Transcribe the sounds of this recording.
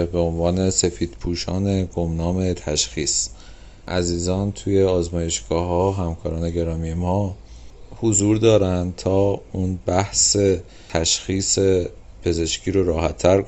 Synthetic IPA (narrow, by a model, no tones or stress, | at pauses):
beonvɒːne̞se̞fiːd̪̥pʰuːʃɒ̰ːne̞ɡomnɒːme̞t̪ʰæʃxiːs | ʔæziːzɒːnt̪ʰuːje̞ɒːzmɒːje̞ʃɡ̥ɒːɦɒːɦæmkʰɒːɾɒːneɟe̞ɾɒːmiemɒː | hozuːɾd̪ɒːɾænd̪t̪ʰɒːunbæhse̞ | t̪ʰæʃxiːse̞ | pʰe̞ze̞ʃcʰiːɾoɾɒːɦæt̪ʰːæɾ